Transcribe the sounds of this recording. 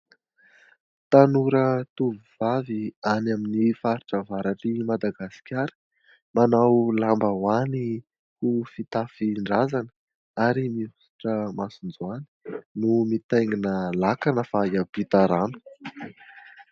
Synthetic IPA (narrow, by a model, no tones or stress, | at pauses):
t̪anuɾət̪uvuv̥avianaminifaɾiʈ͡ʂəvaɾaʈ͡ʂimad̪aɡasi̥kʲaɾə̥ | manawlambəwani | hufit̪afiɳɖ͡ʐazanə | aɾimiusi̥ʈ͡ʂəmasund͡zuani̥numit̪ajŋinəlakanəfajab̥it̪aɾanu̥